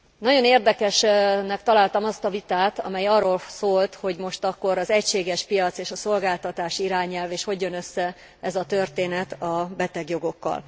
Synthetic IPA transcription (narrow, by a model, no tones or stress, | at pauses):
nɒɟo̞neːrd̪ɛkɛʃnɛkt̪ɒlaːlt̪ɒmɒst̪ɒvit̪aːt̪ɒ̰mɛjɒrːoːlsoːlt̪ho̞ɟmo̞ʃt̪ɒkːo̞ɾɒzɛcʃeːɡɛʃpijɒt̪seːʃɒso̞lɡaːlt̪ɒt̪aːʃiɾaːɲɛlveːʃho̞ɟjo̞nø̞sːɛ | ɛzɒt̪ø̞rt̪eːnɛt̪ɒbɛt̪ɛɡjo̞ɡo̞kːɒ̰l